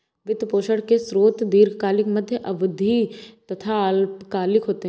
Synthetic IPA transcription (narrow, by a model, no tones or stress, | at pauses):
ʋɪd̪poːʃəɽkesɾoːt̪d̪iːɾkaːlɪkmɐd̪ʱjəʔɐʋʊd̪ʱit̪ɐt̪ʰalpkaːlɪkɦoːt̪eɦ